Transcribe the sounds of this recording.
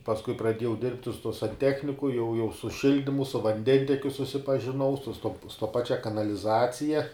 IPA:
pɐsˈkʊɪ prɐˈdʲiɛjɛʊ ˈdʲɪrʲpʲtʲɪ sʊ tuɔ sɐnʲˈtʲæːxʲnʲɪkʊ jɛʊ jɛʊ sʊ ˈʃʲɪlʲdʲɪmʊ sʊ ʋɐnʲˈdʲɛnʲtʲɛkʲʊ sʊsʲɪpɐʒʲɪˈnɐʊ sʊ stoːp stoː ˈpɑːt͡ʃʲɛ kɐnɐlʲɪˈzɑːt͡sʲɪjɛ

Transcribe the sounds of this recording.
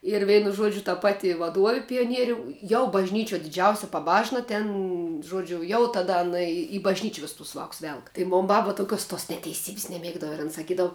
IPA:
ɪr ˈʋʲɛɪnʊ ˈʒuɔd͡ʒʲʊ tɐ ˈpɑːtʲɪ ʋɐˈduɔʋʲɪ pʲɪjoːˈnʲiɛrʲʊ jɛʊ bɐʒʲˈnʲiːt͡ʃʲuɔ dʲɪˈd͡ʒʲɛʊsʲɪ pɐˈbɑːʒnɐ ˈtʲɛn ˈʒuɔd͡ʒʲʊ jɛʊ tɐˈdɐ ɐˈnɐ ɪ iː bɐʒʲˈnʲiːt͡ʃʲɪ ˈʋʲɪs tʊs ˈʋɑːks ˈʋʲɛlˠk tɐɪ ˈmoːn ˈbɐp toːˈkʲoːs toːs nʲɛtʲɛɪˈsʲiːbʲɪs nʲɛˈmʲiɛɡdɐʋɐ ɪr ɐn sɐˈkʲiːdɐʋʊ

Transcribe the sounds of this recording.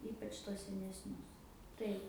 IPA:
ˈiːpɐt͡ʃ tuɔs sʲɛnʲɛsʲˈnʲʊs ˈtɐɪp

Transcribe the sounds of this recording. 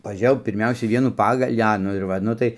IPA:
pɐˈʒʲeːjɛʊ pʲɪrʲˈmʲɛʊsʲɛɪ ˈʋʲiɛnuː ˈpɑːɡɐlʲiː ˈɐ ˈnʊ ɪr ˈʋɐ ˈnʊ tɐɪ

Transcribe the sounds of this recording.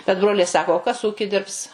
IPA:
bʲɛt ˈbroːlʲɛɪ ˈsɑːkoː oː ˈkɐs ˈuːkʲɪ ˈdʲɪrps

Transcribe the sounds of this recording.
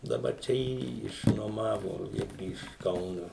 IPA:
dɐˈbɐr ˈt͡ʃʲɛ ˈjiːjiː ɪʃnuɔˈmɑːʋoː ˈɪrʲɡʲɪ ɪʃ ˈkɐʊnoː

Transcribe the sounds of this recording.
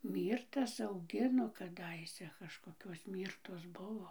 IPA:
ˈmʲiːrtɐs ɐʊˈɡʲɪnoː kɐˈdɐɪsʲɛ kɐʃkoːˈkʲoːs ˈmʲiːrtoːs ˈbʊʋoː

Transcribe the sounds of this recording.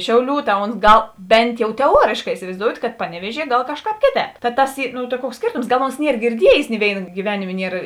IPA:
ˈʃʲɛʊˌlʲuː tɐ oːns ˈɡɐlˠ ˈbʲɛnt jɛʊ tʲɛˈuɔrʲeːʃkɑː ɪsʲɪʋɐɪzdoːʊtʲ kɐt ˈpɑːnʲɛˌʋʲiɛʒʲiɛ ˈɡɐlˠ ˈkɑːʃˌkɑːp ˈkʲeːˌtʲɛːp tɐ ˈtɐs ˈiː noː tɐ ˈkuɔks ˈsʲkʲeːrtoːms ˈɡɐlˠ oːns ˈnʲiɛr ɡʲɪrʲˈdʲiɛjeːs nʲɪ ˈʋʲeːɪnɐ ɡʲiːˈʋʲæːnʲɪmʲeː ˈnʲiɛr

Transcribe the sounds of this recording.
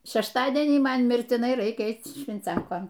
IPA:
ʃʲɛʃˈtɑːdʲiɛnʲiː ˈmɐn mʲɪrʲtʲɪˈnɐɪ ˈrɐɪkʲɛ ˈɛɪt͡s ʃʲʋʲɪnʲˈt͡sʲɛŋkoːn

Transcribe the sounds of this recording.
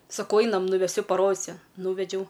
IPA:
sɐˈkɐʊ ˈɐɪnɐm nʊʋʲɛˈsʲʊ pɐˈroːdʲɪsʲʊ ˈnuːʋʲɛd͡ʒʲɛʊ

